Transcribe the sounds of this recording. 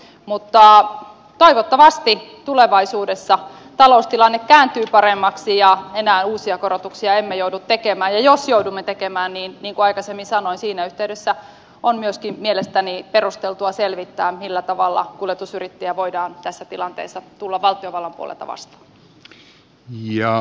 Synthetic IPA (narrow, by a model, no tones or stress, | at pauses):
mut̪ːɑ | t̪oiʋot̪ːɑʋɑst̪it̪uleʋɑisuːdesːɑ | t̪ɑloust̪ilɑnːekkæːnt̪yːpɑremːɑksijɑenæːnuːsiɑkoɾot̪uksiɑemːejoudut̪t̪ekemæːjjɑjosjoudumːet̪ekemæːnniːnniːŋkuɑikɑsemːinsɑnoinsiːnæyht̪eydesːæ | onmyøskimmielest̪æniperust̪elt̪uɑselʋit̪ːæːmilːæt̪ɑʋɑ̰lːɑ̰kulet̪usyrit̪ːejæʋoidɑːnt̪æsːæt̪ilɑnt̪ḛːsːɑt̪ulːɑʋʋɑlt̪ioʋɑlːɑmpṵo̰lḛlt̪ɑ̰ʋɑ̰st̪ɑ̥ː | jɑ